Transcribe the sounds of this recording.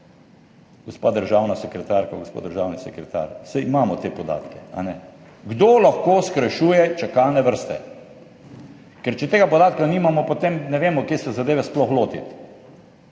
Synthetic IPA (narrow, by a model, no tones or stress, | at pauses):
ɡ̥ɔspad̪əɾʒawnasɛkɾɛt̪aːɾkaɡospo̰d̪d̪əɾʒaːwnisɛkɾɛt̪a̰ːɾsɛjimaːmɔt̪eːpɔd̪a̰ːt̪kɛa̰nɛ | ɡd̪olaxkoːskɾɛʃuːjɛt͡ʃakaːnɛʋəɾst̪ɛ̰ | kɛɾt͡ʃɛt̪eːɡapɔd̪aːt̪kaniːmamɔpot̪emnɛʋeːmɔkjeːsɛzad̪eːʋɛsplɔxloːt̪ḭt̪